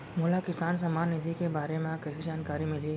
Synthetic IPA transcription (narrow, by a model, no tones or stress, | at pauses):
moːlakɪsaːns̬ɐmaːnːɪd̪ʱikebaːɾemẽakɛːsid͡ʒaːnkaːɾimɪli